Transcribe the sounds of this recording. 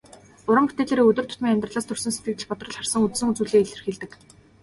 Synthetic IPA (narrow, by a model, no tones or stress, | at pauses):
ʊɾə̆mpu̥t̪eːɮeːɾeːɵt̪ɵ̆rt̪ʰʊ̥t̪miːŋæmʲt̪rə̆ɮaːst̪ʰɵrsɵ̆nset̪ɡɘ̆t̪ɘ̆t͡ɕpɔt̪rɞ̆ɮχarsə̆ŋut̪sɘ̆ŋut͡suːɮiːeɮɘ̆rxeːɮt̪ɘ̆k